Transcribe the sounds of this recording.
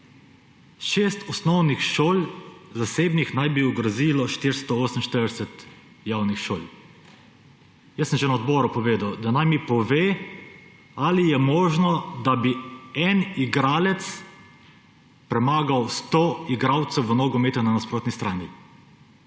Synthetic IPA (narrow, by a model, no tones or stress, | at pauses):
ʃeːst̪ɔsnɔwnixʃoːlzaseːbnixnajbiuɡɾaziːlɔʃt̪iɾst̪ɔɔːsəm̩ʃt̪əɾd̪ɛsɛt̪ | jawnixʃoːlʲ | jəsːəmʒɛnaɔd̪bɔːɾupɔʋeːd̪awd̪anajmipɔʋeː | alijɛmɔːʒnɔd̪abiɛniɡɾaːlɛt̪s | pɾɛmaːɡawst̪oiɡɾawt̪sɛwʋənɔɡɔmeːt̪ananaspɾoːt̪nist̪ɾaːni